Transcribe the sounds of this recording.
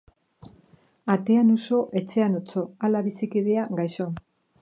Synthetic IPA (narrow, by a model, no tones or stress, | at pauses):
at̪e̞anoso̞ʔe̞t͡se̞anot͡so̞alaβisikið̞e̞aɡajʃo̞